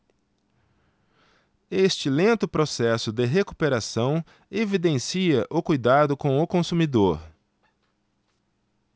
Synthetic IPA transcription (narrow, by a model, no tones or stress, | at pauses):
est͡ʃɪlẽnt̪ʊpɾosɛsʊd̪ɪɦekupeɾasɐ̃w̃ | evid̪ẽsiɐʔʊkujd̪ad̪ʊkõw̃ʊkõsumid̪oɾ